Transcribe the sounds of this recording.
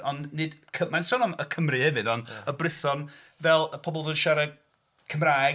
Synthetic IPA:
ɔnnɪdkʰəmansɔnɔməkʰəmrɨhɛvɨdɔnəbrɪθɔn | vɛlˠəpʰɔbɔlˠvənʃaɾə | kʰəmraː

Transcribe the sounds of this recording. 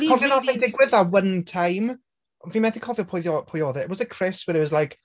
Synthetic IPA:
hɔvjɔnɔvɛdɪɡwɪðawəntʰajm | viːmɛθɪkʰɔvjɔpʰoɔpʰɔjɔðɛtwɔzəkʰr̥ɪswɛɾɪt̚wɔzlajk

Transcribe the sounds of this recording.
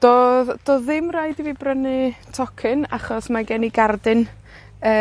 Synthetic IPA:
d̥oːðd̥oːðɪmraːɨdiviːbrənɨtʰɔkʰɨna̰χɔsmaɡɛniɡardɨn | ə

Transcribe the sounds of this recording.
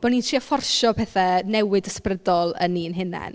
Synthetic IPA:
b̥ɔnintʰriːafɔrʃɔpʰɛːθɛnɛwɪdəsprədɔlˠə̰nːiːnɦɪnɛ̰n

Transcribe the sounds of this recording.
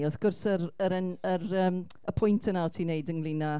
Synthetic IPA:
ɔθɡ̥ʊrsəɾəɾɛnəɾəːməpʰʊjntʰənaɔtʰiːnejdəŋlˠɪna

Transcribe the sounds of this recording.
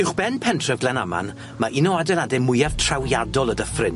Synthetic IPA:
ɪwχb̥ɛnpʰɛntʰrɛvɡlˠɛnama̰n | maʔɪnɔadɛnadɛmʊjav̥tʰr̥awjadɔlˠədəfrɪn

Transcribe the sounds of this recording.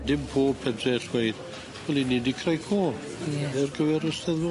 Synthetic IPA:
dɪmpʰoːpʰədrɛɬwejð | wɛlˠiniːdikʰrajkʰoː | ɛrɡəvɛɾɔstɛðwɔ

